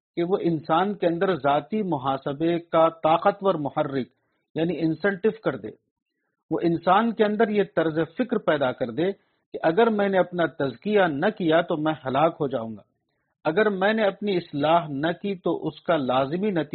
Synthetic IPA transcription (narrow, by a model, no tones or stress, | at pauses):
keʋoʔɪnsaːnkeɐ̃nd̪əɾzaːt̪imʊɦaːsɪbekat̪aːqət̪ʋɐɾmʊhɐrːɪk | jaːniɪ̃nsɛ̃ɳʈɪʋkɐɾd̪ḛː | ʋoʔɪnsaːnkeɐ̃nd̪əɾjet̪ɐɾzefɪkɾpɛːd̪akɐɾd̪eː | keʔɐɡəɾmɛ̃ːneɐpnat̪ɐzkijanɐkijat̪omɛ̃ɦɐlaːkɦod͡ʒaːṵ̃ːŋɡaː | ɐɡəɾmɛ̃ːneɐpniɪslaːɦnɐkit̪oʔʊskalaːzɪminɐt̪ː